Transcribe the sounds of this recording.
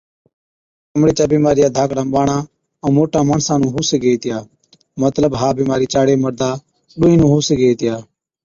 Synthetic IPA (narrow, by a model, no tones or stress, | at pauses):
əmɽeːt͡ʃaːbiːmaːɾɪjaːd̪ʱaːkɽəmɓaːɳaː | õːmoːʈaːmaːɳsãːnũːɦuːseɡeːit̪ɪjaː | mət̪ləbɦaːbiːmaːɾiːt͡ʃaːɽeːməɾd̪aː | ɗʊːĩːnũːɦuːseɡeːit̪ɪjaː